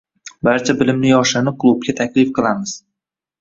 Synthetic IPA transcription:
baɾt͡ʃʰabɪlɪmnɪjɒʃɪnɪkʰlˠub̚kʲat̪ʰakʲlɪfqʰɨlˠamɪz̥

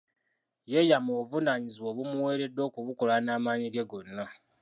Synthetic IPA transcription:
je̞jamovunaːɲiziwo̞ːβumuwe̞ːɾe̞dːo̞ːkuβuko̞lanaːmaːɲiɡe̞ɡo̞nːa

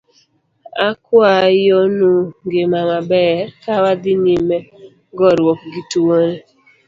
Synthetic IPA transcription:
akwajonuŋɡemamabɛɾkawadɪnimɛ | ɡɔɾwok̚ɡituone

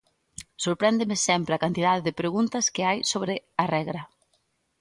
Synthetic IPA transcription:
soɾpɾɛnd̪ɪmɪsɛmpɾɪɐkant̪iðaðɪðɪpɾeɣunt̪ɐskɪajsoβɾɪɐrɛɣɾɐ

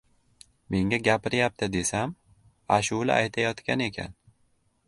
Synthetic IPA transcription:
me̞ŋʲaɡʲapɪɾjap̚t̪ʰɪd̪e̞sam | aʃʊwlɪ̰ʔajt̪ʰajɒt̪kʲʰane̞kʲʰa̰n

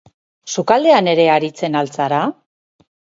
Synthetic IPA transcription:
sukald̪e̞ane̞ɾe̞aɾit͡se̞nalt͡saɾa

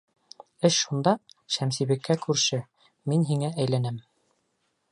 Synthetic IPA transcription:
ɘʃʃund̪ɑʃæmsiβɘ̆kʰːækʉɾʃɘ | minɦiŋæʔæjlænɘm

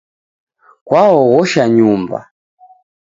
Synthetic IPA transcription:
kwaɔɣɔʃaɲumba̰

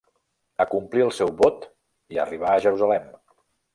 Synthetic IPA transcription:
əkumpliəlˠsɛwβot̪ | iə̰riβaəʒəɾuzəlɛm

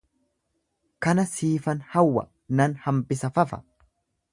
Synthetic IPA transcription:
kɐnɐsiːfɐnhɐwːɐ̰ | nɐnhɐmbɪsɐfɐfɐ̥̰

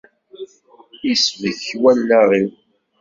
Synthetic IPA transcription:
isviθçwælːaʁiw

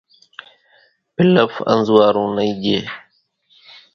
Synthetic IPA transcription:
pɪləfə̰̃nzwaːɾũːnəĩːʄeː

